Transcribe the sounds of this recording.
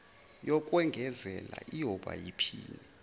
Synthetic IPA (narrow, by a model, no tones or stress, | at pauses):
jɔkʼwɛŋɡʱɛzɛlaʔiɔɓa̰jipʰiːni